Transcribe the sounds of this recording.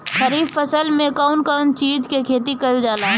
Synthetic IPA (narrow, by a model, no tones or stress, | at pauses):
ʃəɾiːbfəsəlmẽkaʊnkant͡ʃiːd͡ʒkekʰeːt̪ikɐld͡ʒaːlaː